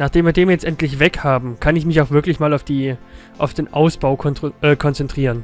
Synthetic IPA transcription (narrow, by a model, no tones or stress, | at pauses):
naːχd̥eːmviːɐdeːmjɛt͡stʔɛntlɪçvɛkhaːbm̩kʰanɪçmɪçaʊxv̥ɪɐklɪçmaːlaʊfd̥iː | ʔaʊfd̥eːnʔaʊsb̥aʊkʰɔʔɛːkʰɔnt͡sɛntʁ̥iːʁən